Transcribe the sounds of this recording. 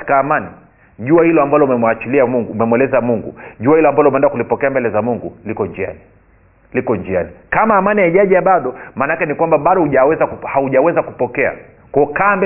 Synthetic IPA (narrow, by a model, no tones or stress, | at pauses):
i̥kaːmani | ʄuahilɔambalɔumɛmwat͡ʃiliamuŋɡuːmɛmwɛlɛzamuŋɡṵʄuahilɔambalɔumɛɛndakulipɔkɛambɛlɛzamuŋɡulikɔɲd͡ʒia̰ni | likɔɲd͡ʒianikamaːmaniaiʄaʄɛaɓaɗɔmaːnakɛnikwambaɓaɗɔhuʄawɛzakuhauʄawɛzakupɔkɛa̰ | kɔkaːmbɛ